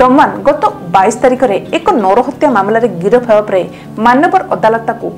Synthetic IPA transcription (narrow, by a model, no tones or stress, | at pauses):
d̪ɔmanɡɔt̪ɔbajsɔ̥t̪aɾikɔɾeekɔnɔɾɔɦɔt̪jamamlaɾeɡiɾɔpʰabapɾae | manɔbɔɾɔd̪alɔt̪aku